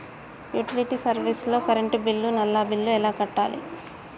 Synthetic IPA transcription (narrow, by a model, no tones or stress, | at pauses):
juːʈiliʈiːsɐɾʋislo̞ːkɐɾeɳʈubilːunɐlːaːbilːuɛlaːkɐʈːaːlḭ